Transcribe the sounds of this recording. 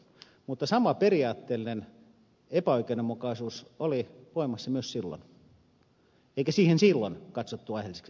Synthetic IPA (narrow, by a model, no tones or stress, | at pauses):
mut̪ːɑsɑmɑperiɑːt̪ːeːlːˑinen | epæoikeinemːukɑisuːsoliʋoimɑsːɑmyøssilːo̰n | eˑikæsiːhensilːonkɑt̪sot̪ːuɑihelise̥ksi